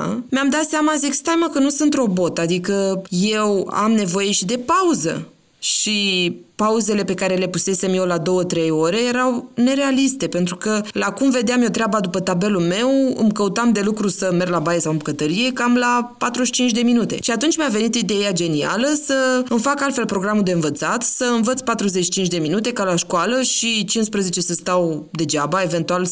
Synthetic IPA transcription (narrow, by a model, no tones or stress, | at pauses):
meamd̪at̪seamazikst̪amakənusɨnt̪ɾo̞bo̞t̪ad̪ikəje̞wa̰mne̞vo̞je̞ʃid̪e̞pauzə̰ | ʃipauze̞le̞pe̞kaɾe̞le̞puse̞se̞mje̞wlad̪o̞wət̪ɾe̞jo̞ɾe̞je̞ɾawne̞ɾe̞alist̪e̞pe̞nt̪ɾukəlakumve̞d̪eamjo̞t̪ɾeabad̪upət̪abe̞lulme̞wɨ̰mkəut̪amd̪e̞lukɾusəme̞rlabajesawɨmbukət̪əɾije̞kamlapat̪ɾuʃi̥t͡ʃint͡ʃʲd̪e̞minut̪e̞̰ʃiat̪unt͡ʃʲmave̞nit̪id̪e̞jad͡ʒe̞nia̰ləsəɨmfakalt̪fe̞lpɾo̞ɡɾamud̪e̞ɨnvət̪sat̪səɨnvət̪sʲpat̪ɾuzet͡ʃʃi̥t͡ʃint͡ʃ̬ʲd̪e̞minut̪e̞kalaʃkualəʃit͡ʃinspɾəze̞t͡ʃe̞səst̪awd̪e̞d͡ʒabae̞ve̞nt̪ual